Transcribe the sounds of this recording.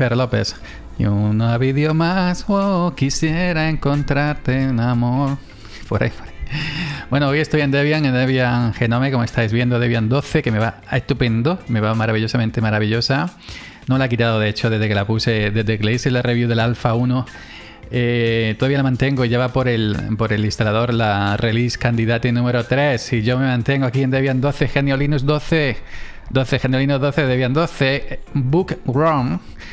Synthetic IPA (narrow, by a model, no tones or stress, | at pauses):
feɾlo̞pe̞s | unaβiðjomaswokisje̞ɾae̞ŋko̞nt̪ɾaɾt̪e̞unamoɾ | poɾʔa̰ipoɾaibwe̞nooje̞st̪oje̞nd̪eβjaŋend̪eβjaŋxe̞nomeko̞moe̞st̪ajzβjend̪oðeβjand̪o̞θeke̞me̞βaest̪upe̞nd̪ome̞βamaɾaβiʎo̞samẽnt̪e̞maɾaβ̞iʎo̞sa | nolaek̬it̪aðoðe̞et͡ʃo̞ðe̞zðeke̞lapuse̞d̪e̞zðeklejselare̞βjuðe̞lalfauno | et̪oðaβijalamãnt̪e̞ŋɡo̞iʝaβapo̞ɾe̞lpo̞ɾe̞list̪alaðo̞ɾlare̞liskand̪iðat̪enũme̞ɾo̞t̪ɾe̞siʝo̞mẽ̞mãnt̪e̞ŋɡoakie̞nd̪eβjand̪o̞θexenjolinuzd̪o̞θe | d̪o̞θexeneolinuzðo̞θeðeβjand̪o̞θe̞bukroŋ